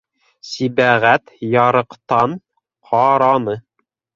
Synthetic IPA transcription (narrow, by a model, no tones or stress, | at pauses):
sibæʁæt̪jɑɾɤ̆qt̪ɑn | qʰɑɾɑnɤ